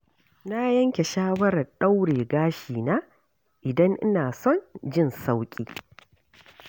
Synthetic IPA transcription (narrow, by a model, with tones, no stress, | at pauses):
na˦jɐ˦ŋkʲe˨ʃaː˦wɐ˦ɾɐ˨rɗa˦wɽeː˨ɡaː˦ʃiː˨naː˦ | ʔɪ˨dɐ˦ŋʔɪ̰˦naː˨sɔ˦nd͡ʒɪ˦˨nsa˦wkʲʼḭː˦